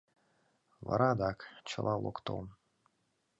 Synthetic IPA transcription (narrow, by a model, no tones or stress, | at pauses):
vɑ̰ɾɑd̪ɑkt͡ɕəlʔɑlˠokt̪o̰m